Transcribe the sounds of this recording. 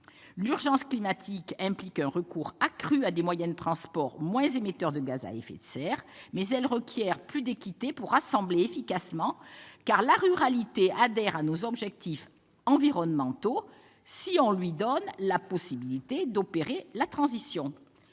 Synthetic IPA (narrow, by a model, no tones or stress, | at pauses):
lyʁʒɑ̃sklimat̪ʰikɛ̃plikɛ̃ʁəkuʁakχyad̪emwajɛ̃d̪ət̪χɑ̃spɔʁmwɛ̃zemet̪œʁd̪əɡaza̰ḛfḛt̪sɛʁmɛzɛlʁəkʰʲjɛʁplyd̪ekʲit̪epuʁːasɑ̃bleefikasmɑ̃kaʁlaʁyʁalit̪ead̪ɛʁanozɔbʒɛk̚t̪if | ɑ̃viʁɔnmɑ̃t̪o | siɔ̃lɥid̪ɔnlapɔsibilit̪ed̪ɔpeʁelat̪χɑ̃zisjɔ̃